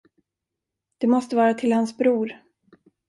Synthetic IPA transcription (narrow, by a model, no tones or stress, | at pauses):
d̪̥ɛmɔst̪əvɑːɾat̪ʰɪlhansbɾuːɾ